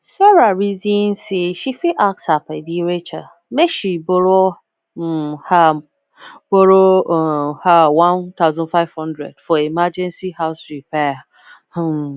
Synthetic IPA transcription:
sɔɾaɾizĩnseʃifiʔak̚sapʰɛdiɾet͡ʃʰa | meʃiboɾo | m̩ha | boɾo | hawãntʰaʊzɔ̃nfaɪv̥hɔ̃ndɾɛ̰d̥fɔemad͡ʒɛ̃nsihaʊsɾipʰɛ | h

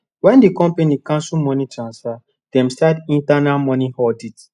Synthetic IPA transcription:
wɛ̃ndikɔ̃mpenikãnsumɔ̃nitɾãnsfa | d̥ɛ̃msɛdĩntanalmɔnihɔdit

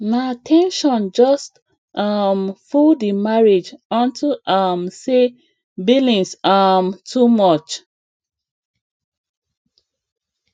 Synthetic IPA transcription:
natʰɛ̃nʃɔ̃nd͡ʒɔst | ʔʌmfuldimaɹid͡ʒɔ̃ntʰuʔʌmse | bilĩnsamtʰumɔt͡ʃ

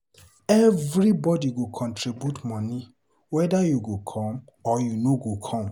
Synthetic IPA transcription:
ɛvɹibɔdiɡokʰɔ̃ntʰɹibjutmɔni | wɛdajuɡokʰɔ̃m | ɔjunoɡokʰɔ̃m

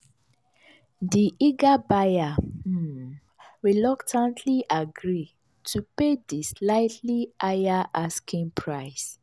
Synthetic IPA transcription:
diʔiɡabaja | ɹilɔktʰãntʰliʔaɡɹi | tʰupedislaɪtʰliʔajaʔaskʰĩnpʰɹaɪs

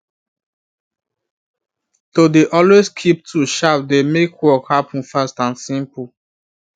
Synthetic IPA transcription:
todeʔɔlweskʰip̚tʰuʃap̚demekwɔkhapə̃n̩fastãnsĩmpu

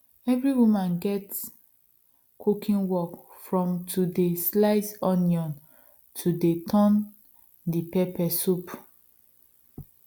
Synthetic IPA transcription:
ɛvɹiwumãnɡɛt | kʰukĩnwɔk | fɹɔ̃mtʰudeslaɪsɔ̃njɔ̃n | tʰudetʰɔ̃n | dipepɛsup

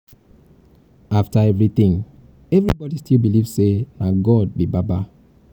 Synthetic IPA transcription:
aftaɛvɹit̪ĩŋ | ɛvɹibɔdistʰilˠbiliv̥senaɡɔd̚bibaba

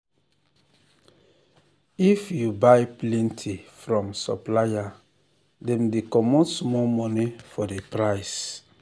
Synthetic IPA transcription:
ifjubajplɛ̃ntʰifɹɔ̃msɔ̰plaja | dɛ̃mdekɔmɔ̃ntsmɔmɔnifɔdepɹajs

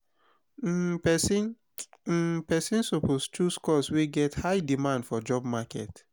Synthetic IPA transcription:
ps̩ | pɛsĩnsopostʰuskɔsweɡɛthaɪdimãndfɔd͡ʒɔbmakɛ̰t

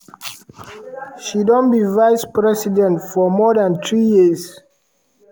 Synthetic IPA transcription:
ʃidɔ̃nbivajspɹɛsidɛ̃ntfɔmɔdãntɹijiz

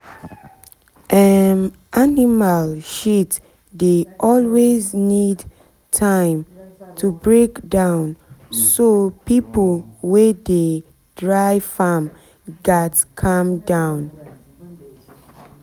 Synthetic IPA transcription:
ʔanʔanimalʃit | deʔɔlweznid | tʰãɪ̃mtʰubɹekdãʊ̃nsopiplwɛde | dɹaɪfam | ɡatkʰãmdãʊ̃n

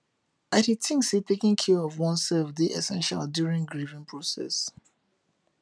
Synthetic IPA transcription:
aɾitʰĩŋksipʰekɪ̃ŋkʰjɔɔvwɔ̃nsɛfdiʔɛsɛ̃nʃa̰ldjuɹĩŋɡɹivĩŋpʰɹɔsɛ̰s

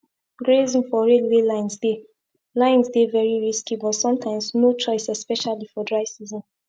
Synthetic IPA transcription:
ɡɹezĩnfɔɹelwelãɪ̃nsde | lãɪ̃nsdevɛɹiɹiskibɔtsɔ̃mtʰãɪ̃mznot͡ʃɔɪsɛspɛʃalifɔdɹaɪsizɔ̃n

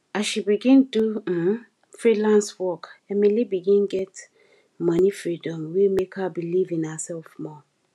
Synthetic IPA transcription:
aʃibiɡĩndu | fɹilãnswɔkɛmilibiɡĩnɡɛt | mʌnifɹidɔ̃mwimekəbilivĩnasɛlfmɔ

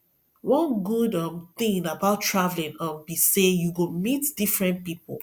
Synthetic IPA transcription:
wɔ̃nɡudʌ̃mθĩŋabaʊtʰːɹavlĩnʌ̃mbisejuɡomitd̥ifɹɛ̃npipl

